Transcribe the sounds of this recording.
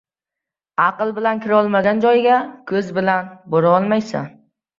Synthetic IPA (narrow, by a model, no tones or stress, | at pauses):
ɑqɨlˠbɪlankʲʰɪɾɒlˠmaɡʲand͡ʒɒjɡʲakʰɵzbɪlanboɾaɒlˠmajsa̰n